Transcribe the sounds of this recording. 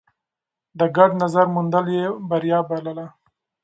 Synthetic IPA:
d̪əɡaɖnazaɾmund̪əljebaɾjɑbaləla

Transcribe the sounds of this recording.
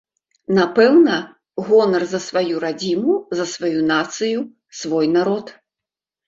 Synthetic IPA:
napɛwnɐ | ɣɔnɐrzɐsvajuɾad͡zʲimuzɐsvajunat̪sɨju | svɔjnaɾɔt̪

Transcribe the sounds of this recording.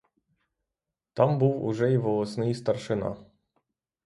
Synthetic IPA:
t̪ɑmbuwʊ̰ʒɛiʋɔlˠɔsnɪjst̪ɐrʃɪnɑ̰

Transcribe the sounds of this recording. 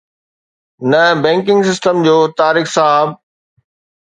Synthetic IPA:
nɐbɛ̃ːŋkɪ̃ŋɡsɪsʈəmd͡ʑoːt̪aːɾiːxsaɦab̚

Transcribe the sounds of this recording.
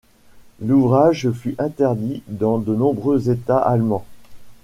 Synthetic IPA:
luvʁaʒfyʔɛ̃t̪ɛʁd̪id̪ɑ̃d̪ənɔ̃bʁøzet̪aʔalmɑ̃

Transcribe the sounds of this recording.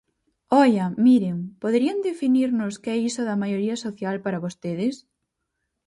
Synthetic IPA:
ɔʎɐmiɾeŋpoðeɾiɐnd̪efiniɾnʊskɪɛisʊðɐmajoɾiɐsoθjalpaɾɐβost̪eðɪs

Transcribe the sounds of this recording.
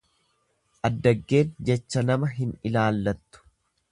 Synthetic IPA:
ʔɐd̪ːɐɡːe̞ːnd͡ʒɛt͡ʃːɐnɐmɐɦɪnɪlaːlːɐt̪ːʊ̥

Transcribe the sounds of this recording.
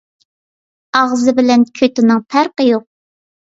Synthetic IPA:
ɑʁzɨbɪlɛnkʲʰøt̪ɪnɨŋpʰæɾqəjoq̚

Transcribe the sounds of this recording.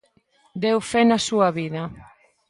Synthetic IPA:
d̪ewfɛnasuɐβiðɐ

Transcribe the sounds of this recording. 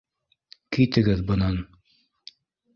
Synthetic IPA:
kijt̪ɘ̆ɡɘðbɤ̆nɑn

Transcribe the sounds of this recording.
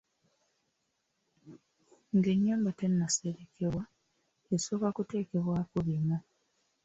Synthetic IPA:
ŋɡeɲːaːmbatenːaseɾekʰewa | eso̞ːkakute̞ːkeβwaːkulima

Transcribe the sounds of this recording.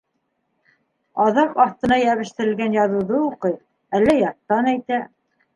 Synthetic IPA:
ɑðɑqɑθt̪ɤ̆nɑjæβɘ̆ʃt̪ɘ̆ɾɘ̆lɡænjɑðŭwðɤuqɤj | ælːæjɑɾt̪ːɑnæjt̪æ

